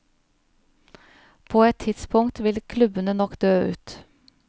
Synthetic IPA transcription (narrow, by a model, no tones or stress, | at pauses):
pʰoːɛt̪ʰːɪd̪̥spʰʊŋt̪ʋɪlkʰlʉbənənɔkd̪øːʉ̰ːt̪